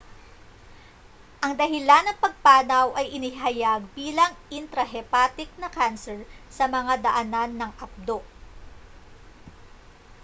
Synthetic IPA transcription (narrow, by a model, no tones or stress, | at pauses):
ʔɐŋd̪ɐɦɪlanːɐŋpɐɡ̚paːnɐwʔɐjʔɪniɦɐjaɡ̚biːlɐŋɪnt̪ɾɐɦɛpat̪ɪk̚nɐkansɛɹsɐmɐŋad̪ɐʔɐnanːɐŋʔap̚d̪o